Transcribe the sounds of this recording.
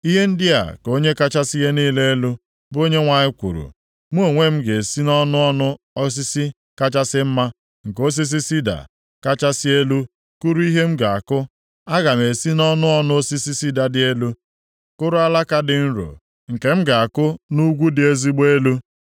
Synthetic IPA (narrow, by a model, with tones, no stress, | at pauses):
i˦ɦe˦n̩˦dɪ˦a̰˨ko˦ɲe˦ka˦t͡ʃa˦si˦je˦niː˦le˦e˦lu˦ | bo˦ɲe˦ŋʷa˨ɲɪ˦kʷṵ˨ɾṵ˨ | m˦o˨ŋʷe˦m̩˦ɡe˨si˦nɔ˦nʊ˦ɔ˦nʊ˦ | ɔ˦s̬ɪ˦si˦ | ka˦t͡ʃa˦sɪ˦m̩˦ma˦ | ŋ̩˨ko˦s̬i˦s̬i˦si˦da̰˨ | ka˦t͡ʃa˦sɪ˦e˦lu˦ | ku˦ɾu˦i˦ɦe˦m̩˦ɡa˨a˨kʊ˦ | a˦ɣa˨m˨e˨si˦nɔ˦nʊ˦ɔ˦nʊ˦o˦si˦si˦si˦da˨dɪ˨e˦lu˦ | kʊ˦ɾʊ˦a˦la˦ka˦dɪ˨n̩˦ɾo̰˨ | ŋ̩˨ke˨m̩˦ɡa˨a˨kʊ˦nu˦ɡʷu˦dɪ˨e˦zi˦ɡ͡be˦lu˦